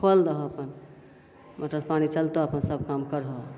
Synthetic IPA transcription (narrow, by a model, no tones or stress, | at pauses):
kʰold̪əɦəpən | mʔəʈ̪ɾəspanit͡ʃəlt̪oəpənsəbʱkamkəɾɦo